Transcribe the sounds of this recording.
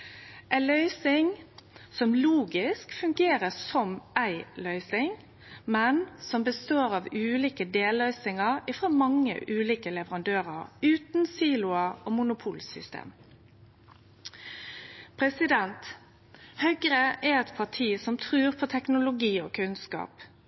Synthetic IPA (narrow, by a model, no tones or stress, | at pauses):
ʔæɪnlœʏsɪŋsɔmluːɡɪskfʉŋɡeːɾəsɔmʔæɪlœʏsɪŋ | mɛnsɔmbəst̪oːɾɑʋʉːliːkəd̪eːlœʏsɪŋəʁɪfɾoːmɑŋːə̰ʔʉːliːkəlɛʋəɾɑnd̪øːɾəɾʉːt̪nsiːlʊɑʔoːmʊnʊpʰuːlsʏ̰st̪ḛːm | pʰɾɛsɪd̪ɛnt̪ | hœɡɾəʔɛɾɛt̪pʰɑʈʰiːsɔmt̪ʰɾʉːʁpʰɔt̪ʰɛknʊlʊɡiːɔ̰ːkʰʉnskɑ̰ːp